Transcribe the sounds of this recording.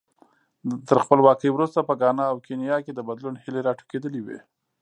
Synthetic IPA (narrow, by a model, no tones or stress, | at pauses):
t̪əɾxpəlwɑkəjwɾust̪apəɡɑnɑːwkenijɑked̪əbad̪lunhɪleɾɑʈu̥ked̪əliwḛ